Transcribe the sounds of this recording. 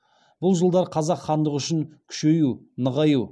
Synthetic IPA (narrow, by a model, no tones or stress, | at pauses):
b̥ʊlˠʒəlˠd̪ɑɾqʰɑzɑqχɑnd̪əʁʏʃɪŋkʲʰʏ̥ʃeju | nəʁɑju